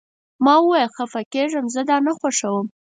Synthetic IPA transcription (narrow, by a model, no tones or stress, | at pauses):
mɑwəwɑjəlxafakeʐəmzəd̪ɑnaxwaʂawəm